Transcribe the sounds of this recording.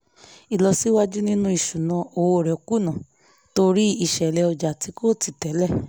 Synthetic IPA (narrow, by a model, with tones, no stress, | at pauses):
i˨lɔ˧si˦wa˦d͡ʒu˦nĩ˦nũ˦i˦˨ʃu˨nã˧˦o˨wo˨ɾɛ˨o˨ku˦nã˨ | to˧ɾi˦i˨ʃɛ˨lɛ˧ɔ˧d͡ʒa˨ti˨˧˦ko˦˨ti˨tɛ˨˦lɛ˦˨